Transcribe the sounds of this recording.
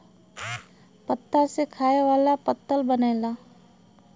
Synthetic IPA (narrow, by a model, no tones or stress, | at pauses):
pət̪ːasekʰaːeʋaːlapət̪ːəlbəneːlaː